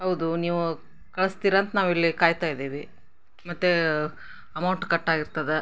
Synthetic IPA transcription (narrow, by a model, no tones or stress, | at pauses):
ɦɐwd̪uniːʋu | kɐɭɐst̪iːɾaːnt̪ɐnaːʋilːikaːjt̪aːjd̪eːʋi | mɐt̪ːe | ɐmɐwɳʈkɐʈːaːɡiɾt̪ɐd̪e